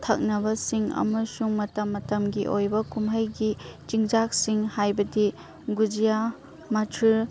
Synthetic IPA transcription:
tʰɐ̰k̚nɐbɐsiŋɐ̰mɐsuŋmɐtɐmːɐtɐmɡiʔojbɐkumɦɐjɡit͡ʃiŋd͡ʒak̚siŋhajbɐdi | ɡud͡ʒija | mɐtʰɾi

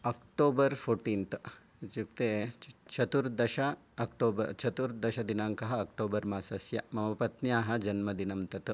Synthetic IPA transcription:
ɐːkʈoːbɐɾfʰoːɾʈiːnt̪ | t͡ʃuk̚t̪eːt͡ʃʰɐt̪uɾd̪ɐʃɐː | kʈoːbɐɾt͡ʃʰɐt̪uɾd̪ɐʃɐd̪inaːŋkɐɦɐɐk̚ʈoːbɐɾmaːsɐsjɐmɐmɐpɐt̪njaːɦɐd͡ʒɐnmɐd̪inɐmt̪ɐt̪

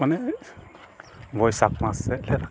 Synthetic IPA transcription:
manɛ | bɔjsak̚masːɛlɛɾa

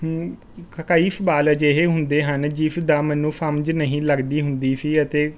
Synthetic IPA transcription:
kəkaːiːfbaːlɛːd͡ʒeɦeːɦʊnd̪eːɦənd͡ʒiːfʰd̪aːmɛːnːũːpʰəmd͡ʒnəɦĩːləɡd̪iːɦʊnd̪iːpʰiːət̪eː

